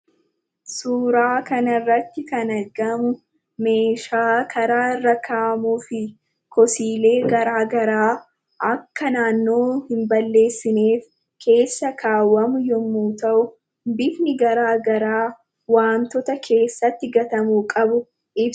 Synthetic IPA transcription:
suːɾaːkɐnɐrːɐt̪ːɪkɐnɐɾɡɐmʊ | me̞ːʃaːkʰɐɾaːɪrːɐkʰaːmuːfɪ | kʰɔsiːle̞ːɡɐɾaːɡɐɾaː | ʔɐkːɐnaːnːo̞ːhɪmbɐlːe̞ːsːɪneːf | kʰe̞ːsːɐkʰaːwːɐmʊjɔmːuːt̪ɐʔʊ | bɪfnɪɡɐɾaːɡɐɾaː | waːmt̪ɔt̪ɐkʰe̞ːsːɐt̪ːɪɡɐt̪ɐmuːkʼɐbʊ | ɪb

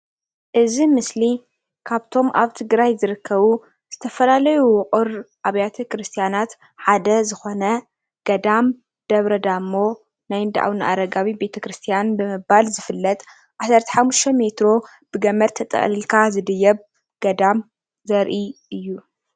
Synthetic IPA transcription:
ʔɨzimɨsli | kʰaβt̪ʰo̞mʔa̰βt̪ʰɨɡɾajzɨɾɨkʰːɐβu | z̥ɨt̪ʰɐfɐlalɐjuwʊqʼɨɾʔaβjat̪ʰɐkɾɨst̪ʰijanat̪ | ħad̪ɐzɨxo̞nɐ | ɡ̥ɐd̪am | d̪̥ɐβɾɐd̪amːo̞ | najɨnd̪aʔa̰wɨnʔa̰ɾɐɡaβibe̞t̪ʰɐkɾɨst̪ʰijanbɨmɨbalzɨfɨlːɐt̪ʼ | ʔasɐɾt̪ʰɐ̥ħamːuʃt̪ʰɐme̞t̪ɾo̞ | b̥ɨɡɐmɐɾt̪ʰɐt̪ʼɐ̰χʼlilkʰazɨd̪ɨjːɐβ | ɡ̥ɐd̪am | zɐɾʔiʔɨjːu

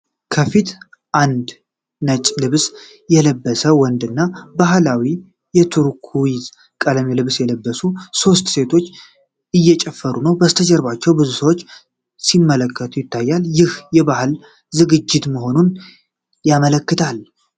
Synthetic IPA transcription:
kʰəfit̪ | ʔand̪ | nət͡ʃʼlɨβs | jɛləbːəsəwɔnd̪ɨnːabaɦlawi | jɛt̪ʰuɾkʰuwiz | kʼələmelɨβsjɛləbːəsuso̞st̪se̞t̪ʰo̞t͡ʃː | ʔɨjːɛt͡ʃʼɛfːəɾunəwbəst̪ʰəd͡ʒɛɾβat͡ʃːɛwbɨzusəwo̞t͡ʃː | simːələkːət̪ʰujɪt̪ʰːajːaljɪhjɛβahɨl | zɨɡɨd͡ʒːɪt̪məɦo̞nun | jamələkːɨt̪ʰal

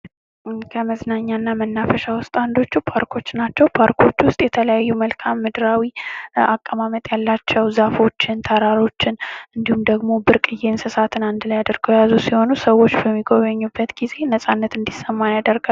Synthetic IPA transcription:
kʰəməznaɲːanːamənːafəʃawʊst̪ʼand̪o̞t͡ʃːupʰaɾkʰo̞t͡ʃːnat͡ʃːɛwpʰaɾkʰo̞t͡ʃːwʊst̪ʼjɛt̪ʰələjajːuməlkʰamːɨd̪ɨɾawiakʼːəmamət̪ʼjalːat͡ʃːɛwzafo̞t͡ʃːɪnt̪ʰəɾaɾo̞t͡ʃːɪnʔɨnd̪ihumd̪əɡmo̞bɨɾkʼɨjːe̞nsɨsat̪ʰɨnand̪ɨlajad̪əɾɡojazusiho̞nusəwːo̞t͡ʃːbəmːiɡo̞βəɲːubːət̪ɡ̥ize̞nəsʼanːət̪ɨnd̪isəmːanjad̪əɾɡa

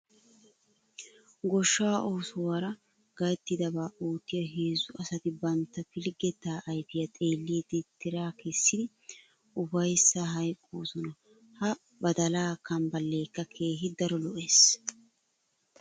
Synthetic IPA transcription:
ɡɔʃːaːʔoːsʊwɐɾɐ | ɡɐjɛt̪ːɪd̪ɐbaːʔuːt̪ːɪjɐɦeːzʊɐsɐt̪ɪbɐnt̪ːɐfɪlɡɛt̪ːaːʔɐjbɪjɐt̪ʼe̞ːlːiːd̪ɪt̪ːɪɾaːkʰɛsːɪd̪ɪ | ʔʊbɐjsːaɦɐjkʼːoːsɔnɐ | hɐ | bɐd̪ɐlaːkːɐmbɐlːe̞ːkːɐkʰe̞ːɦɪd̪ɐɾɔlɔʔeːs

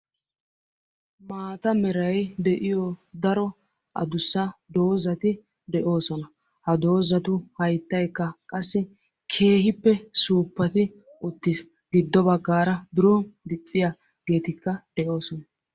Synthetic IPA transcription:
maːt̪ɐmɛɾɐjd̪ɛʔɪjɔd̪ɐɾɔ | ʔɐ̰d̪ʊsːɐd̪o̞ːzɐt̪ɪ | d̪ɛʔo̞ːsɔnɐ | hɐd̪o̞ːzɐt̪ʊhɐjt̪ːɐjkːɐkʼɐsːɪ | kʰe̞ːɦɪpːɛsuːpːɐt̪ɪ | ʔʊt̪ːɪs | ɡ̥ɪd̪ːɔbɐɡːaːɾɐd̪ʊɾoːnd̪ɪt͡sʼːɪja | ɡe̞ːt̪ɪkːɐd̪̥ɛʔo̞ːsɔnɐ

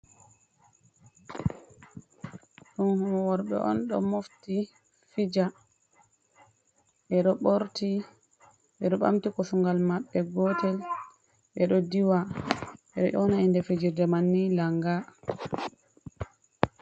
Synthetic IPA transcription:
ɗɔnhɔmɔwɔɾɓɛ̰ʔɔ̰nɗɔ̰mofti | fid͡ʒa | ʔɛɗɔɓoɾti | ɓɛɗɔɓa̰mtikɔsuŋɡalmaɓːɛɡɔtɛl | ɓɛɗɔdiwa | ɛɗɔʔɔnaindɛfid͡ʒidɛmanːilaŋɡa

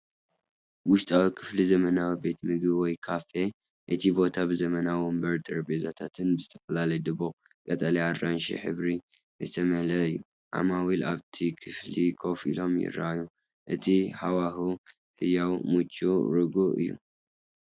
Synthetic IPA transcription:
wʊʃt̪ʼawikʰɨ̥flizɐmɐnawibe̞t̪mɨɡbwɔjkʰafe | ʔɨt̪ʰibo̞t̪ʰabɨzɐmɐnawombɐɾt̪ʰʼɐɾbezat̪ʰat̪ʰɨnbɨzɨt̪ʰɐ̥fɐlalɐjd̪ɨβo | kʼɐt̪ʼɐliaɾːanʃḭħɨ̰βɾi | jɨt̪ʰɐmɐlɐɨjːu | ʕa̰mawilaβt̪ʰikʰɨflikʰo̞fḭlo̞mjɪ̰ɾːa̰ju | ʔɨt̪ʰiħawaɦu | ħɨjawmut͡ʃʼːuɾɨɡuʔɨ̰jːṵ

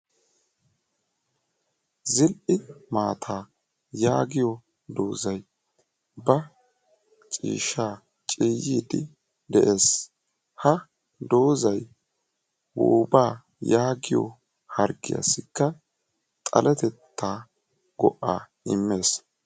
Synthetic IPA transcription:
zɪlʔɪmaːt̪ʰaː | jaːɡɪjɔ | d̪o̞ːzɐj | bɐ | t͡ʃʼḭːʃaː | t͡ʃʼiːjiːd̪ɪ | d̪ɛʔe̞ːs | hɐ | d̪o̞ːzɐj | wo̰baː | jaːɡɪjɔ̰ | hɐɾɡɪ̰jɐ̰sɪkːɐ | t̪ʼɐ̰lɛt̪ɛt̪ːaː | ɡɔ̰ʔːa̰ː | ɪmːe̞ːs

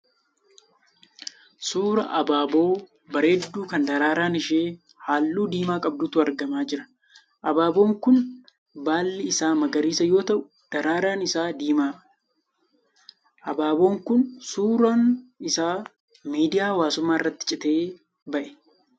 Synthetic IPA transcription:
suːɾɐ̰ʔɐbaːbo̞ː | bɐɾe̞ːd̪ːuːkɐnd̪ɐɾaːɾaːnɪʃeː | haːlːuːd̪iːmaːkʼɐb̚d̪uːt̪ʊɐɾɡɐmaːd͡ʒɪɾɐ̥ | ʔɐbaːbo̞ːŋkʊn | baːlːɪɪsaːmɐɡɐɾiːsɐjo̞ːt̪ɐʔʊ̥ | d̪̥ɐɾaːɾaːnɪsaːd̪iːmaː | ʔɐbaːbo̞ːŋkʊnsuːɾaːnɪsaː | miːd̪ɪjaːwaːsʊmːaːɪrːɐt̪ːɪ̥t͡ʃʼɪt̪e̞ː | bɐʔɛ̥

